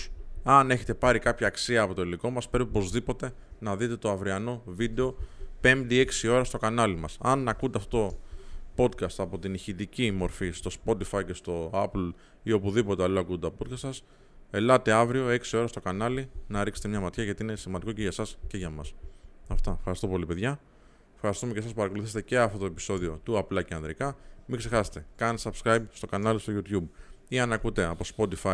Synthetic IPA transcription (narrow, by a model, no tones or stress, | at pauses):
ɐne̞çe̞t̪e̞pɐɾikɐpçɐːksiɐːpo̞t̪o̞iliko̞mɐspɾe̞pipo̞zðipo̞t̪e̞ | nɐðit̪e̞t̪o̞ɐvɾiɐno̞vid̪e̞o̞pe̞md̪ie̞ksio̞ɾɐst̪o̞kɐnɐlimɐsɐnɐkunt̪ɐft̪ot̪opo̞t̪kɐst̪ɐpo̞t̪iniçit̪icimo̞ɾfist̪o̞spo̞t̪ifɐice̞st̪o̞ɐpl | io̞puðipo̞t̪e̞ɐloɐkueopo̞t̪̚kɐst̪ɐs | e̞lɐt̪e̞ɐvɾio̞e̞ksio̞ɾɐst̪o̞kɐnɐlinɐɾikset̪mɲɐmɐt̪çɐʝɐt̪iine̞simɐnd̪iko̞ceʝɐsɐsce̞ʝɐmɐsɐft̪ɐfxɐɾist̪o̞po̞lipe̞ðʝɐ | fxɐɾist̪ume̞cesɐspɐɾɐko̞luθiset̪ece̞ɐft̪ot̪o̞e̞pi̥so̞ðio̞t̪uɐplɐceɐnðɾikɐmiɡse̞xɐse̥t̪e̞kɐnsɐpskɾɐjbst̪o̞kɐnɐlist̪oʝut̪çubiɐnɐkut̪e̞ɐpo̞spo̞t̪ifɐ